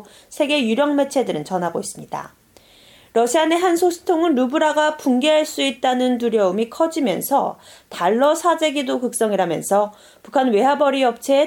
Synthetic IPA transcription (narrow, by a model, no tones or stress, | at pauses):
sʰe̞ɡe̞juɾjʌŋme̞t͡ɕʰe̞dɯɾɯnt͡ɕʌnɦaɡois͈ɯmɲida̰ | ɾʌɕʰiane̞ɦansʰosʰɯ̥tʰoŋɯnɾubuɾaɡapuŋɡe̞ɦaɭs͈uit̚t͈anɯntuɾjʌumikʰʌd͡ʑimjʌ̰nsʰʌtaɭːʌsʰad͡ʑe̞ɡidokɯk̚s͈ʌŋiɾamjʌ̰nsʰʌ | pukʰanwe̞ɦabʌɾiʌp̚t͡ɕʰe